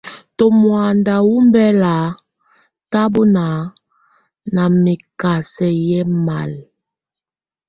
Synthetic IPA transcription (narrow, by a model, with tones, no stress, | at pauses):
to˨mwa˨nda˨wu˦mbɛ˦la˨ | ta˦bo˦na˨ | na˨mi˨ka˨sɛ˨jɛ˦ma˨l